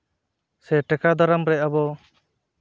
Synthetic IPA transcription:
sɛʈɛkad̪ɔɾamɾɛabɔ

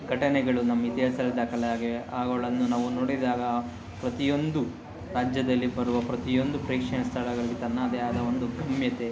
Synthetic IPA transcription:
ɡɐʈɐnɛɡɐɭunɐmːɐit̪iɦaːsɐlid̪ɐkɐlɐjaːɡiʋeʔaːɡoɭɐnːunaːʋunoːɽid̪aːɡɐ | pɾɐt̪ijo̞nd̪u | ɾaːd͡ʒjɐd̪ɐlːibɐɾuʋɐpɾɐt̪ijo̞nd̪upɾiːkʂɛnɐst̪ʰaɭɐɡɐɭiɡet̪ɐnːɐːd̪eaːd̪ɐond̪uɡʱɐmjɐt̪e̞

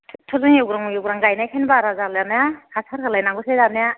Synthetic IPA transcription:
tʰɔzɯŋjewɡɾaŋjewɡɾaŋɡajnajkʰenbaɾazalanajakʰasʰaɾkʰalajnaŋɡɔsejzanaja

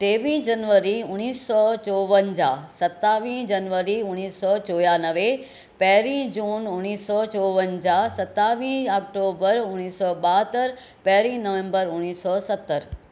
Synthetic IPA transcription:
ʈeːʋĩːd͡ʑɐnʋəɾiʊñiːsːɔt͡ɕɔːʋənd͡ʑaːsɐt̪ːaːʋĩːd͡ʑɐnʋəɾiʊniːsːɔt͡ɕoːjaːnəʋe | pɛɦɾĩd͡ʑuːnʊniːsɔːt͡ɕɔːʋənd͡ʑaːsɐt̪aːʋĩːɔːk̚ʈoːbəɾʊñiːsɔːɓaːɦt̪əɾ | pɛɦɾĩːnəʋẽmbəɾʊnːiːsɔsɐt̪ːəɾ

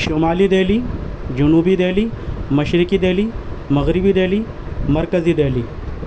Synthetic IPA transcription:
ʃomaːlid̪eːlid͡ʒunuːbid̪eːlimɐʃɾikid̪eːliːmɐɣɾibid̪eːli | mɐɾkəzid̪eːliː

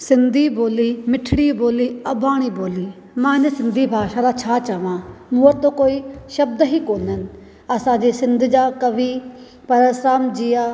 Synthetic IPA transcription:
sɪnd̪ʱiːboːliːmɪʈʰɽiːboːliːəbaːɽ̃iːboːliː | mãːnəsɪnd̪ʱiːbʱaːʃaːd̪aːt͡ʃʰaːt͡ʃaːʋãːmuːət̪ːõːkoːiːʃəb̚d̪ɦiːkoːnən | əsãːd͡ʒiːsɪnd̪d͡ʒaːkəʋiː | pəɾəsɾaːmd͡ʒijaː

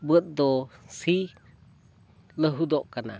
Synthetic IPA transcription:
bət̪̚d̪ɔsi | ləɦud̪ɔʔkana̰

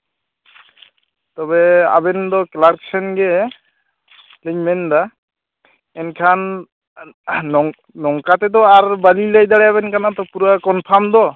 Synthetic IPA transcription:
t̪ɔbɛa̰bɛnd̪ɔklaɾksʰɛnɡɛ | liɲmɛnd̪a | ɛnkʰan | ɔŋ | nɔŋkat̪ɛd̪ɔaɾbalilajd̪aɽɛabɛnkanat̪ɔpuɾakɔnpʰamd̪ɔ

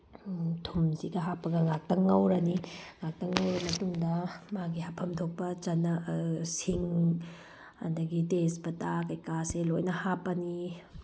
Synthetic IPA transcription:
tʰumzidɐɦapːɐɡɐŋak̚tɐŋːɐwɾɐniŋak̚tɐŋːɐwɾɐmɐtuŋdɐmaɡihapʰɐmtʰok̚pɐt͡ʃɐnːɐsiŋ | ɐ̰dɐɡitesbɐtakɐjkaselojnɐhapɐni

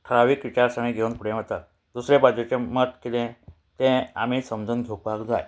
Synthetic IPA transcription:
ʈʰəɾaʋiːkʋit͡ɕaɾsaɳ̃ĩɡʱeunpuɽẽmət̪at̪̚ | d̪usɾebad͡ʑot͡ɕemət̪kit̪ẽ | t̪ẽa̰miːsəmd͡zənɡʱowk̚baɡd͡zaj

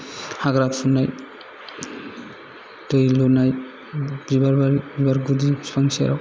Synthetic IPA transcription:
haɡɾapʰunaj | dɯjlunaj | bibaɾbaɾibibaɾɡudispʰaŋsia̰ɾaw

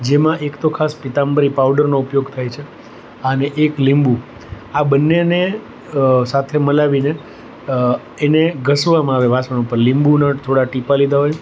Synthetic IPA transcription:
d͡ʒemãʔekt̪okʰaspit̪ambəɾipawɖəɾnoupjoɡt̪ʰajt͡ʃʰe | əneʔeklimbu | abənːene | sat̪ʰeməlaʋine | eneɡʱəsʋamãaʋeʋasəñupəɾlĩmbunãt̪ʰoɽaʈipalid̪aɦoj

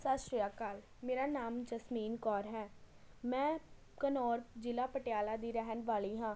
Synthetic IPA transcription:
saːʃɾɪjaːkaːl | meːɾaːnaːmd͡ʒəsmiːnkɔːɾɦɛː | mɛ̃ː | kənɔːɾd͡ʒɪlaːpəʈjaːlaːd̪iːɾɛɦənʋaːliːɦãː

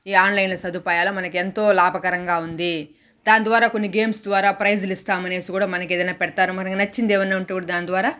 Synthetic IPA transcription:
iːaːnlɐjnlɐsɐd̪ʱupaːjaːloːmɐnɐkent̪o̞ːlaːbʱɐkɐɾɐŋɡaːund̪i | d̪aːnd̪ʋaːɾaːkonːiɡe̞ːmsd̪ʋaːɾaːpɾɐjd͡ʒulist̪aːmɐne̞ːsikuːɽaːmɐnɐkeːd̪ɐjnaːpɛɽɐt̪aːɾumɐnɐkinɐt͡ʃːind̪eːʋɐnːaːuɳʈukuːɽad̪aːnd̪ʋaːɾaː

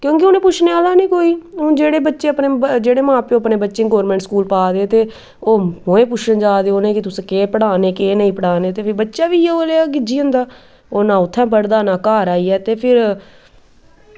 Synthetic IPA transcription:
kjõːk̬eʊnẽːpʊt͡ʃʰneːaːlaːnĩːkoːĩːd͡ʒeːɽeːbətːʃeːəpneːd͡ʒeːɽeːmãːpeõːəpneːbətːʃẽːɡɔːɾmɛ̃ːɳʈskuːlpaːd̪eːt̪eː | oːmoːẽːp̬ʊʃʰənd͡ʒaːd̪eːoːnẽːkɪt̪ʊsẽkeːpəɽaːneːkeːnəĩːpəɽaːneːt̪eːpʰɪɾbətːʃaːʋiːɛoːleːaɡɪd͡ʒiːə̃nd̪aː | oːnãːʊt̪ʰːɛ̃ːp̬əɽd̪aːnãːkaːɾaːiːɛːt̪eːpʰɪɾ

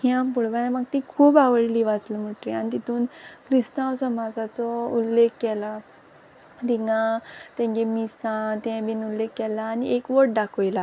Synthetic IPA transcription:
hĩampuɽbajamaɡt̪ikʰuːbaʋəɭliːʋat͡sləm̤əʈlianit̪it̪ʰuːnkɾist̪ãwsəmad͡zat͡sɔulːekːɛla | d̪iŋɡãt̪ẽŋɡemisãt̪ɛ̃binulːekːɛlaːniʔekʋəʈ̚ɖakʰojla

